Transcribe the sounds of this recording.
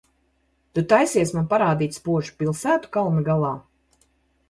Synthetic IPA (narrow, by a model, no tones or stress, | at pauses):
t̪ut̪ajsiɛsmanpaɾaːd̪iːt̪spuɔʒu̥pilˠsæːt̪u̥kalˠniɡalˠɑː